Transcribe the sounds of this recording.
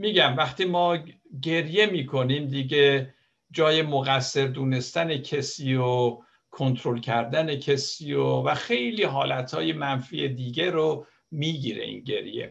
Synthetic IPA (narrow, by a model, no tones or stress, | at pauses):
miːɟæmvæxt̪iːmɒː | ɟe̞ɾje̞miːkʰo̞niːmd̪iɡe | d͡ʒɒːjemoɣæsːe̞ɾd̪uːne̞st̪æne̞cʰesiːo | kʰo̞nt̪ʰɾolcʰæɾd̪æne̞cʰesiːovæxe̞jliːɦɒːlæt̪hɒːje̞mænfiːed̪iːɡeɾo | miːɟiɾe̞̰ʔḭnɟe̞̰ɾjḛ